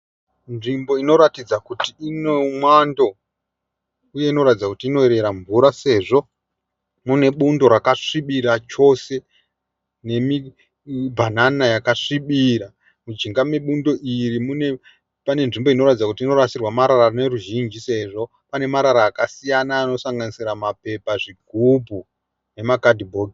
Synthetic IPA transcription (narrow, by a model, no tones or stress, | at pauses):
nʐimbo̞ino̞ɾatid͡zakutiinomwando̞ | uje̞ino̞ɾatid͡zakutiːno̞eɾe̞ɾaɱvuɾase̞ʐo̞ | mune̞ɓundo̞ɾakaʂiɓiɾat͡ʃo̞se̞ | ne̞mi | bʱananajakaʂiɓiɾa | mud͡ʒiŋɡame̞ɓundo̞ʔirimune̞ | pane̞nʐimboino̞ratid͡zakutiːno̞ɾasirwamaɾararine̞ruʒind͡ʒise̞ʐo̞ | pane̞maɾaɾaːkasijanaːno̞saŋɡanisiramape̞paʐiɡʱubʱu | ne̞makadibʱo̞ːɡi